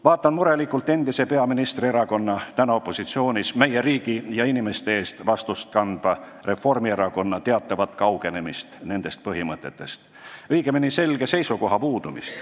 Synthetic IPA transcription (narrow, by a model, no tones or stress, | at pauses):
vɑːt̪ːˑɑnmuɾe̞likˑːult̪ːˑe̞nd̪ise̞pe̞ɑminist̪rieɾɑko̞nːɑt̪ænoo̞pːˑo̞sit̪sio̞ːnʲisme̞je̞ɾiːɡ̥ijɑinime̞st̪e̞e̞ːst̪vɑst̪ust̪̚kɑnd̪vɑ | re̞fo̞rmie̞ɾɑko̞nːɑt̪e̞ɑt̪ːˑɑvɑt̪ːˑkɑwɡ̥e̞ne̞mist̪ne̞nd̪̥e̞st̪̚pɤɦimɤt̪ˑːe̞t̪ːˑe̞st̪ | ɤjɡ̥eminise̞lɡ̥e̞se̞jsuko̞ɦɑpuːd̪umḭst̪